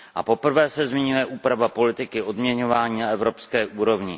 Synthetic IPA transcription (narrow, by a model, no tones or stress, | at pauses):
ʔa̰po̞pr̩vɛːsɛzmɪɲujɛʔuːpɾavapo̞lɪt̪ɪkɪʔo̞dmɲɛɲo̞vaːɲiːnaɛvɾo̞pskɛːʔuːɾo̞vɲɪ